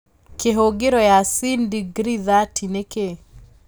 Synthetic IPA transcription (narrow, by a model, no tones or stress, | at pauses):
keɦoɡeɾɔjasindiɡɾiðatʰineke